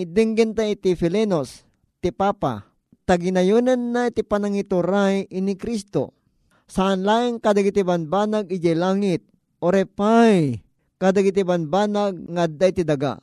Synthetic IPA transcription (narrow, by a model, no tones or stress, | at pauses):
d̪ɪŋɡɪnt̪aɪt̪ifɪlɛnos | t̪ɪpaːpa̰ | t̪aɡɪnajonanːat̪ɪpanaŋit̪uɾajinikɾist̪o̰ | saʔanlaːʔɪŋkad̪aɡɪt̪ibanbaːnaɡɪd͡ʒajlaːŋɪt̪̚ | ʔoɾɛpaj | kad̪aɡɪt̪̬ibanbaːnaɡ̚ŋaːd̪ajt̪id̪ɐɡa̰